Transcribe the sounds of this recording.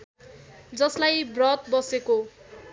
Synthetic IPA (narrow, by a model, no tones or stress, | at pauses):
d͡zʌslajbrʌt̪̚bʌseko